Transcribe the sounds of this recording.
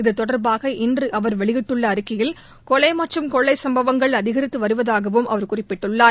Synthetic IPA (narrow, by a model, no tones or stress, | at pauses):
ɪðɯt̪ːɔɽɐɾbaːɣɐʔɪndrɯʔɐʋɐɾʋɛɭɪɣɪʈːɯɭːɐːɾɯkːɪjɪl | kɔɭɐɪmaːʈrɯmkɔɭːɐɪsɐmbɐʋɐŋɡɐɭɐðɪɣɐɾɪt̪ːɯʋɐɾɯʋɐðaːɣɐʋɯmʔɐ̰ʋɐɾkʊrɪpːɪʈːɯɭːaːɾ